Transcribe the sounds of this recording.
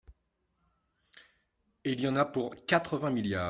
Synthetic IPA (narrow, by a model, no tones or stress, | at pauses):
iljɑ̃napuʁkat̪χəvɛ̃miljaː